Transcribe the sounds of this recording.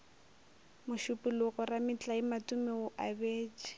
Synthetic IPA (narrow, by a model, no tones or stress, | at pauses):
mʊʃʊpʼʊlʊɣɔramɪt͡ɬʼaɪmatʊmɛʊʔabeːt͡ʃʼɪ̥